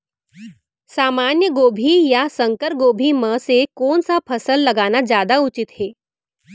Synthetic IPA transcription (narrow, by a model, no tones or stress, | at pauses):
saːmanjəɡoːbʱijasəŋkəɾɡoːbʱiməsekoːnsapʰəsəlːɐɡaːnad͡ʑjaːd̪aut͡ʃit̪heː